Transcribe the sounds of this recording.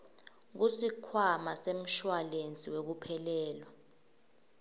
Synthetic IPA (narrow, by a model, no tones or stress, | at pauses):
k̬usikʰwamasem̩ʃwalent͡sʼiwek̬upʰɛlɛːlwa